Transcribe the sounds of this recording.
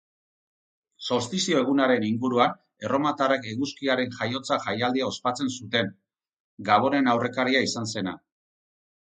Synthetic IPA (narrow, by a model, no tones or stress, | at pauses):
so̞st̪isio̞e̞ɣ̞unaɾe̞niŋɡuɾuan | e̞ro̞mat̪arekeɣuskiaɾe̞nʝajo̞t͡saʝajald̪iao̞spat͡se̞nsut̪e̞n | ɡaβ̞o̞ne̞nawre̞kaɾiaisanse̞na̰